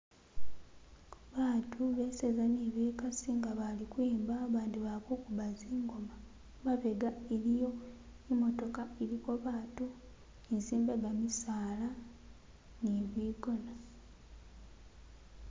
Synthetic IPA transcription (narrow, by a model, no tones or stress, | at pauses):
βaːtʰuβe̞sezaniβiːkasiŋɡaβalikwiːmbaːβaːndiβaβoːkuβaziːŋɡoma | βaβeɡaeɾijo̞ | imo̞to̞kaeɾiko̞βaːtu | insiːmbeɡamisaːla | niβiːɡo̞na